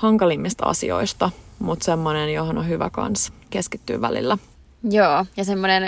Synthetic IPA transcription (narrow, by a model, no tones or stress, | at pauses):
hɑŋkɑlimːist̪ɑ̰sḭo̰ist̪ɑmut̪semːonenjohonohyʋæ̰kɑ̰nskeskit̪ːy̰ːʋæ̰lḭlːæ | joːjɑsemːonen